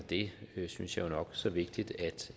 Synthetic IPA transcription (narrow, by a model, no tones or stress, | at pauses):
d̥e̝synsjɑ̈ɪjonɒ̽ɡ̥sɒ̽ʋe̝ɡ̥̚d̥id̥æd̥